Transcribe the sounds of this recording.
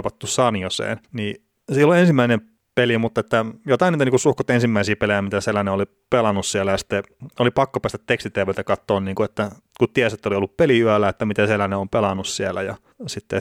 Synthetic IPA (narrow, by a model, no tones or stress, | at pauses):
pɑt̪ːussɑniosḛːnni | siːlːuensimːæinem | pelimut̪ːɑet̪ːæjot̪ɑiniːt̪niːkusuhkot̪ensimːæisiːpelejæmit̪æselæneoli | pelɑnːussiælːæjɑsi̥t̪ːe | olipɑkːopæːst̪æt̪t̪ekst̪it̪eʋelt̪ækɑt̪ːoːnniːŋkuet̪ːæ | kut̪t̪iæset̪ːæoliolːuppeliyælːæet̪ːæmit̪æselæneompelɑnːussiælːˑæjɑ | sit̪ːe